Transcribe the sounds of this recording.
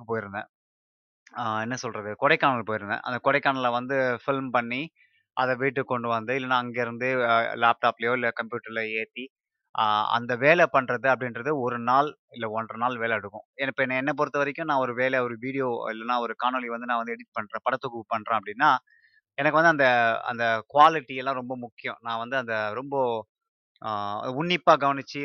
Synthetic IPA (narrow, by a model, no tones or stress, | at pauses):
ɯpoːjɪɾɯnd̪ɐ̃ | ɛnːɐsɔlɾɐðɯkɔɽɛɪkːaːɳɐlpoːjɪɾɯnd̪ɐ̰̃ʔɐ̰nd̪ɐkɔɽɐɪkːaːɳɐlɐʋɐnd̪ɯfɪlmpɐɳːi | ʔɐðɛʋiːʈːɯkːɔɳɖɯʋɐnd̪ɯɪlːɐnːãːɐŋɡeːɪɾɯnd̪ɯlaːp̚ʈaːplɐjoːɪlːɐkɐmpjuːʈːɐɾɪlɐeːt̪ːi | ɐ̰nd̪ɐʋeːlɛpɐɳrɐðɯɐpːɐɽɪnɾɐðɯɔɾɯnaːl | ɪlːɐɔnrɐnaːlʋeːlɛɐɽɯkːʊ̰̃ɛnːɐpːɐːɛnːɐɛnːɐp̬ɔɾɯt̪ːɐʋɐɾɛkʲːʊ̃nãːɔɾɯʋeːlɛɔɾɯʋiːɽɪjoːɪ̰lːɐnãːɔɾɯkaːnoːliʋɐnd̪ɯnãːʋɐnd̪ɯɛɽɪt̪̚pɐɳrẽːpɐɽɐt̪ːɔkːɯpɐɳːrɾẽːɐpːɐɽɪnːaː | ɛnɐk̬ːɯʋɐnd̪ɯɐnd̪ɐɐ̰nd̪ɐkʊʋaːlɪʈːiɛlːãːɾɔmbɐmʊkːɪjõnãːʋɐnd̪ɯɐnd̪ɐɾɔmbɐ | ʊɳːɪpːaːɡɐʋɐnɪt͡ʃːɯ